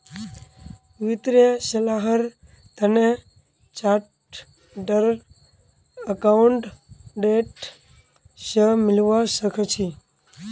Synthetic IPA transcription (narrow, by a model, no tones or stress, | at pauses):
ʋɪt̪ɾesəlaɦəɾ | t̪əne | t͡ʃaʈ | ɖəɾ | əkaɳʈɖeʈ | ʃəmɪlʋaʃəkʰət͡ʃʰi